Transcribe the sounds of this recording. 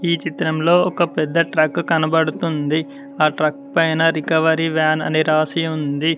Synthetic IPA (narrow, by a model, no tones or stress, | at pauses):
iːt͡ʃit̪ɾɐmlo̞ːɔkɐpɛd̪ːɐʈɾɐkːkɐnɐbɐɽut̪und̪i | aːʈɾɐkpɐjnɐɾikɐʋɐɾiʋaːnɐ̰niɾaːsiund̪i